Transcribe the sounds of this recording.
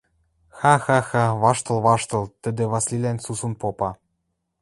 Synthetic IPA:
xɑxɑxɑβɑʃt̪ɤ̆lβɑʃt̪ɤ̆lˠt̪ə̆d̪ĕβɑslʲilænʲsusunpopɑ

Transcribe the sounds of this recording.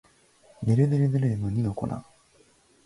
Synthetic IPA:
neɾɯd̪eɾɯd̪eɾeːmoɲ̟inoko̰na̰

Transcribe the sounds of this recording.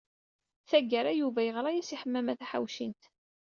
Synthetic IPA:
θæɡːəɾˤæjuvæjəʁɾˤɑjæsiħəmːæmæθæħa̰wʃint̪

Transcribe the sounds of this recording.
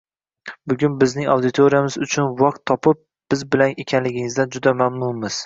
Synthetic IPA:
bʊɡʲʊnbɪznɪŋa̰wd̪ɪt̪ʰoɾijamɪzʊt͡ʃʰʊnwɒq̚t̪ʰːɒpʰɪp̚ | b̥ɪzbɪlanekʲʰanlɪɡʲɪŋɪzd̪and͡ʒʊd̪amamnʊmɪz̥

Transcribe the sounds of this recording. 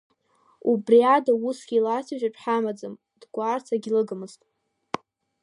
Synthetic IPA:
ubriadausɡʲilat͡sʰaʒᶣaʈ͡ʂʰʼħamad͡zɨm | d̥ɡʷart͡sʰaɡʲilɨɡɨmɨztʼ

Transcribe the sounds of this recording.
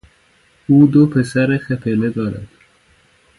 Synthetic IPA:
uːd̪opʰesæɾexepʰeled̪ɒːɾæ̰d̪̥

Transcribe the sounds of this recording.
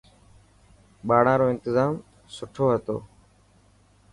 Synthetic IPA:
ɓaːɽãːɾoːɪ̃nt̪ɪzaːm | sʊʈʰoːɦət̪o̰ː

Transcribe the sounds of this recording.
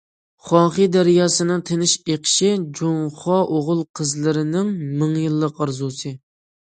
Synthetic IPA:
χɑːχɨd̪æɾjɑːsɨnɨŋt̪ʰenɪʃeqʰɪ̥ʃɪd͡ʒoŋχɑʔoʁʊlˠqʰəzlˠɨɾɪnɪŋmɨŋjɨlˠːəqɑɾzusɨ

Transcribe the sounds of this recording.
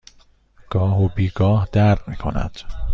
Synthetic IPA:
ɡ̥ɒːɦobiːɡɒːhd̪æɾd̪miːkʰo̰næ̰d̪̥

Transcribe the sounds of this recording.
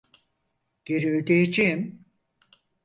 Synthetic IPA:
ɟ̥eɾiød̪ejed͡ʒejim

